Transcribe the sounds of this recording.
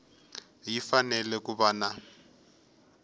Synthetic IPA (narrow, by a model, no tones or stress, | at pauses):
jifanɛlɛk̬ʼubaːna